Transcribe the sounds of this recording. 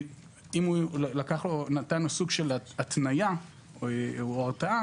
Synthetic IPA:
imulakaχlonat̪anosuɡʃelat̪naja | aʁtaa

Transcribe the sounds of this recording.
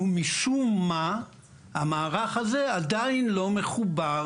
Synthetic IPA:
umiʃumːa | hamaːʁaχaze̞ad̪ainlo̞me̞χuba

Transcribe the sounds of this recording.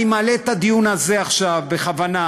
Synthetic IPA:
imalet̪ad̪ijunazeaχʃavbe̞χavana

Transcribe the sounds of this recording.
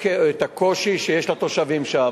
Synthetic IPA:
keet̪ako̞ʃiʃejeʃlat̪o̞ʃavimʃa

